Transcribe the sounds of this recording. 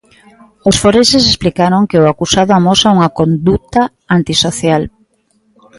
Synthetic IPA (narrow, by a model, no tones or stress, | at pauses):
osfoɾeʃes̬esplikaɾoŋkeoakusaðʊamosauŋɐkond̪ut̪a | ant̪isoθjal